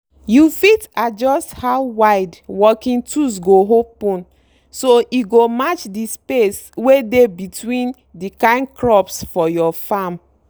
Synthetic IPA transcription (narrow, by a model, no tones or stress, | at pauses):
jufitad͡ʒɔsthaʊwaɪdwɔkĩntus̬ɡoɦopɔ̃n | soʔiɡomat͡ʃdispes | wedebitwĩn | dikãɪ̃nkɹɔpsfɔjɔfam